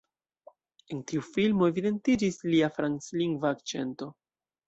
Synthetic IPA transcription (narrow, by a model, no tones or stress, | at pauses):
e̞ntiufilmo̞e̞vide̞ntid͡ʒisliafɾansliŋɡvaːk̚t͡ʃe̞̰nto̞